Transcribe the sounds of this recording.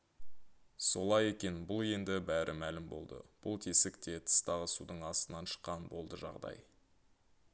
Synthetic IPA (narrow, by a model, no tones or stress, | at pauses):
so̞lˠɑje̞kʲe̞nbʊlˠe̞nd̪ɪbæɾʔɪ̰mælɪmbo̞̰lˠd̪ə̰b̥ʊlˠt̪ʰesɪkt̪e̞t̪ʰə̥st̪ɑʁəsud̪əɴɑst̪ənɑnʃə̥qːɑnbo̞lˠd̪əʒɑ̰ʁd̪ɑ̰j